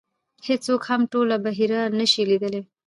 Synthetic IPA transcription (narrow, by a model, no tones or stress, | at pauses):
het͡sokhamʈolabaɦiɾanəʃilid̪əle